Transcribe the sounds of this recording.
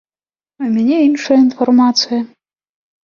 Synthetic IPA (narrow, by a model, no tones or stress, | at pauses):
umʲanʲeinʂɐjɐinfɔrmat̪sɨjɐ